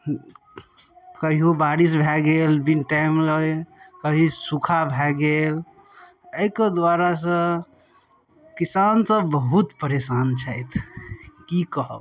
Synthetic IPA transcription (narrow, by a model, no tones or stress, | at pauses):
kəɦiɦobaɽis̬bʱɛɡelbinʈamləjkəɦisukʰabʱɛɡel | əjked̪waɾasə̃ | kisansə̃bəɦut̪pəɾesant͡ʃʰajt̪ʰkikəɦə̰b